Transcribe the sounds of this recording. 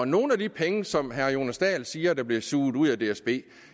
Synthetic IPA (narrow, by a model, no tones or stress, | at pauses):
ɒno̝ːn̩æd̥ipʰeŋəsɒ̽mɦæɐjo̝næsd̥ɛ̰ːlsiːɐd̥ɑ̈b̥liɐsuːð̩ˠuð̰ˠæd̥e̝ːesb̥e̝̰ː